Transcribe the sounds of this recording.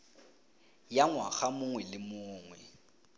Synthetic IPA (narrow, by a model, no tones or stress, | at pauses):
jaŋwaɣamʊŋwɛlɪmʊːŋwɛ